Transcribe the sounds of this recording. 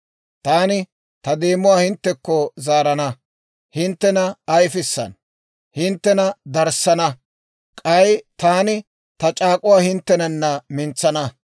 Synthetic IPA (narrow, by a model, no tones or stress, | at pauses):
t̪aːnɪ | t̪ɐd̪eːmːʊwaːhɪnt̪ːɛkːɔzaːɾɐnɐ | hɪnt̪ːɛnɐɐjfɪsːɐ̰n | hɪnt̪ːɛnɐd̪ɐɾsːɐnɐ | kʼɐjt̪aːnɪ | t̪ɐt͡ʃʼaːkʼʊwaːhɪnt̪ːɛnɐnːɐmɪnt͡sːɐnɐ